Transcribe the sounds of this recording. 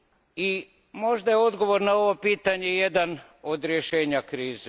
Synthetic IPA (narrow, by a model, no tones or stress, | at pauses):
i | mo̞ʒd̪ajeo̞d̪ɡo̞ʋo̞ɾnao̞ʋo̞piːt̪aɲe̞jed̪an | o̞d̪ɾjeʃeːɲakɾiːze